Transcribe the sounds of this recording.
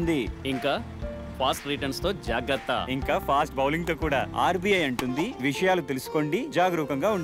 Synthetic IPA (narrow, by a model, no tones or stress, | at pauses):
nd̪iiŋkaː | pʰaːsʈɾiʈɐnst̪o̞ːd͡ʒaːɡɾɐt̪ːɐ̰iŋkaːpʰaːsʈbɐwliŋt̪o̞ːkuːɽaːa̰ːɾbiːɐjɐɳʈund̪iʋiʂɐjaːlut̪e̞lusu̥ko̞ɳɖid͡ʒaːɡɐɾuːkɐŋɡaːuɳɖ